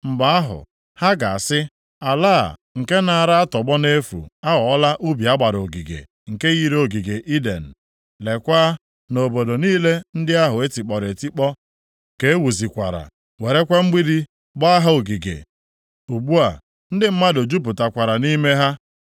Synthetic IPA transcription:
m̩˨ba˨a˦ɦʊ̰˨ | ha˦ɡa˨a˨sɪ˦ | a˨laː˦˨ŋ̩˨ke˦na˨a˨ɾa˦a˦tɔ˨ɡ͡bɔ˦ne˦fṵ˨a˦wɔ˨ɔ˦la˦ʔu˦bi˨a˦ɡ͡ba˨ɾo˨ɡi˨ɡḛ˨ | ŋ̩˨ke˦ɣi˦ɾo˦˨ɡi˨ɡe˨ʔi˦dḛ˨n̩˨ | le˨kʷa˦ | no˨bo˨do˨niː˦le˦n̩˦dɪ˦a˦ɦʊ˨e˦ti˨k͡pɔ˨ɾe˨ti˦k͡pɔ˦ | ke˨e˦wu˨zi˨kʷa̰˨ɾa̰˨ | we˨ɾe˦kʷa˦ŋ͡m̩˦ɡ͡bi˦di˦ | ɡ͡ba˦a˦ɦa˦o˨ɡi˨ɡḛ˨ | u˨ɡ͡bu˦a˨ | n̩˦dɪ˦m̩˦ma˦do˨d͡ʒu˦p̬ʊ˨ta˨kʷa˨ɾa˨ni˦me˦ɦa˦

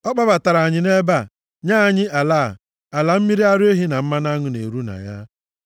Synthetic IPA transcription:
ɔ˦k͡pa˦ba˨ta˨ɾa˨ɲɪ˨˦ne˦ba˦˨ | ɲaː˦˨ɲɪ˦ʔa˨la˦˨ | a˨la˨m̩˦mi˦ɾi˦a˦ɾe˦ɦi˦na˨m̩˦ma˦na˦ŋʊ˨nḛ˨ɾu˦na̰˨ɲa˦

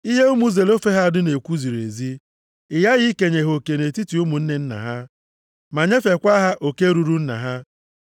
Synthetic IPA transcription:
i˦ɦe˦u˦mu˦ze˨lo˦fe˦ɦa˦˨dʊ˦ne˨kʷu˦zi˨ɾe˨zi˦ | ɪ˨ja˦ɣɪ˦ke˨ɲe˨ɦo˨ke˨ne˨ti˦ti˨u˦mu˨n̩˦ne˦n̩˦na̰˨ɦa˦ | ma˨ɲe˦fe˨kʷa˦ɦa˦ʔo˨ke˦ɾu˨ɾu˦n̩˦na̰˨ɦa˦

